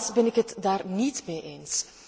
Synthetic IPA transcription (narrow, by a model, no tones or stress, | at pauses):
sbɛnɪkɦətdaːrnitmeːʔeːns